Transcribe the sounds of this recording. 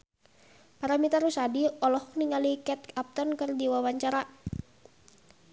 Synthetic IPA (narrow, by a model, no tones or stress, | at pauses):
paɾamit̪aɾusadiɔlɔhɔk̚niŋalikɛt̪̚ap̚t̪ɔnkərdiwawaɲt͡ʃaɾa